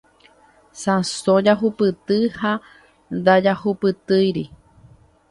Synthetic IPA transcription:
sãsõd͡ʒaɦupɨt̪ɨha | nd̪ad͡ʒahupɨt̪ɨjɾi

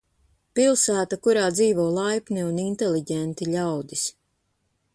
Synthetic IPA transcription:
pilˠsæːt̪akuɾaːd̪ziːvoːlˠajpniunint̪eliɟɛnt̪iʎʲawd̪is

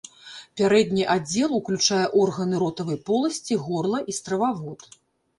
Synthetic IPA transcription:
pʲaɾɛd̪nʲiʔad͡zʲɛlˠuklʲut͡ʂajɛʔɔrɣɐnɨɾɔt̪ɐvɐjpɔlˠɐsʲt͡sʲiɣɔrlˠɐʔist̪ɾɐvavɔt̪

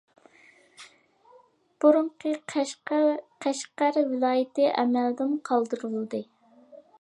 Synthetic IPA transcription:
b̥uɾuɴqʰə | qʰæʃqæɾvɪlˠɑːjɪt̪ɪʔɛ̰mæld̪ɪmqʰɑlˠd̪ɨɾulˠɨd̪ɨ

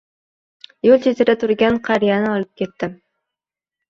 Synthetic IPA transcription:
jolˠt͡ʃʰet͡ʃ̪ɪɾɛt̪ʰʊɾɡʲɛnqʰɑɾijɑnɪɒlˠɨp̚kʲet̪ʰːɪ

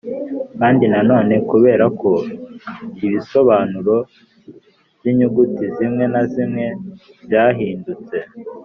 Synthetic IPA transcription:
kaːndinano̞ːne̞kuβe̞ːɾako̞ | iβiso̞βaːnuɾo̞ | βjiɲuɡutizimŋe̞nazimŋe̞ | zjaːɦiːndut͡se̞

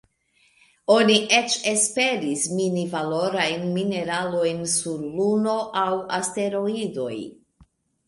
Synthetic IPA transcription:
o̞niʔe̞t͡ʃe̞spe̞ɾisminivalo̞ɾajnmine̞ɾalo̞jnsuɾluno̞ʔawaste̞ɾo̞ido̞̰j

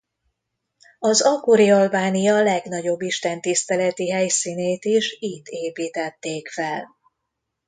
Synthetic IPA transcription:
ɒzɒkoɾiɒlbaːnijɒlɛɡn̪ɒɟo̞bːiʃt̪ɛnt̪ist̪ɛlɛt̪iɦɛjsiːneːt̪iʃiːt̪eːpiːt̪ɛt̪ːeːkfɛl

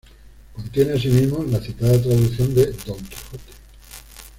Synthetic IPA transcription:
kont̪je̞neasimizmolaθit̪aðat̪̬ɾaðuθjo̞nd̪ed̪oŋki̥xot̪e̥

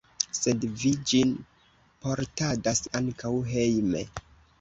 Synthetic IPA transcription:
se̞dvid͡ʒin | po̞ɾtadasaŋkawɦe̞jmḛ

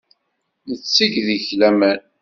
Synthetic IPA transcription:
nət͡sːiʝðiçlæmæn

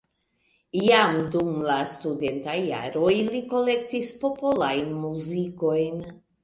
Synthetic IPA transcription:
jamdumlastude̞ntajːa̰ɾo̞jliko̞le̞ktispo̞polajnmuziko̞jn

